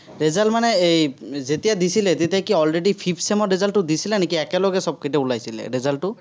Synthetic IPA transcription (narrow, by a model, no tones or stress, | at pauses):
ɹezalmanɛejzet̪ijad̪isilɛt̪et̪ijakiɔlɹeɖipʰipʰsemɔɹezalʈːʊd̪isilɛnekiɛkɛlɔɡɛsɔb̚ketɛulajsilɛ̰ɹezalʈʊ